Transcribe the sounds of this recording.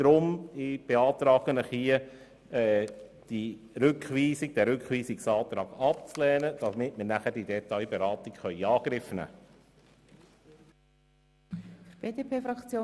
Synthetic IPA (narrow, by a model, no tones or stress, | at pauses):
d̥ɾʊmɪb̥eɑːt̪ɾɑːɡ̥ənəχhiə | ɛd̥i | ɾʏkχʋiːsikd̥ɛɾʏkχʋiːsiksɑːt̪ɾɑːɡɑp̚t͡slɛːnəd̥ɑmɪtməɾnæχəɾd̥idɛt̪ɑjbeɾɑːt̪ikχœʏiɑːɡ̥ɾɪfnæ̰ː | fb̥eːdeːpʰeːfɾɑkt͡sjoː